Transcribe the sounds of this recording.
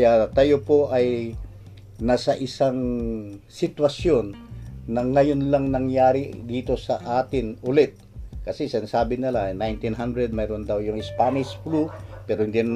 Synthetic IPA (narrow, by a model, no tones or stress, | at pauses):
jat̪ɐjopo̞ʔɐj | nasɐʔɪsaŋ | sɪt̪wɐsjo̞nːɐŋɐjonlɐŋnɐŋjaːɾɪd̪iːt̪o̞sɐʔaːt̪ɪnʊlɛt̪̚kɐsɛsɪnsaːbɪnɪlanajnt̪ɪnɦand̪ɾɛd̪̚mɛːɾond̪ɐwjʊŋɪspaːnɪʃflupɛːɾohɪnd̪in